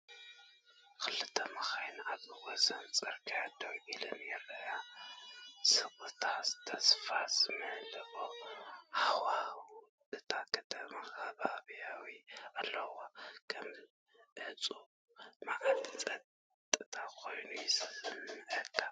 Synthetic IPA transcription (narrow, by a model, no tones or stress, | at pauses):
kɨlɨt̪ʰɐmaxajnaβɨwɔsɐnt͡sʼɐɾkʰijad̪ʰomʔilɨnjɛlːɐja | sɨβut̪ʰazɨ̥t̪ʰɐsfazɨmɨhlɨβohawa | ʔɨt̪ʰakʰɐt̪ʰɐmaxaβaβjawialːɐwakʰɐm | hɨt͡sʼu | maʔat̪ʰit͡sʼɐt | t̪ʼɨt̪ʰakʰo̞jnujsmɨʕɨt̪ʼːa